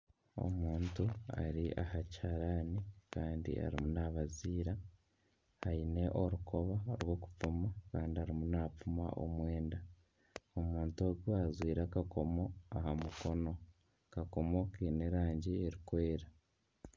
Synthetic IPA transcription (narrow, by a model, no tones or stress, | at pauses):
o̞̰muːntua̰ɾiʔahacaɾanikaːndḭa̰ɾḭmunaβaziːɾa | haine̞ʔo̞ɾuko̞βaoɾwo̞ːku̥p͡fumakaːndiaɾimunap͡fuma̰ʔo̰mwe̞ːnda | omuːntoɾɡoazwiːɾakakʰo̞mo̞aɦamuko̞no̞ | kako̞mo̞kiːneɾaːɲɟieɾikwe̞ːɾa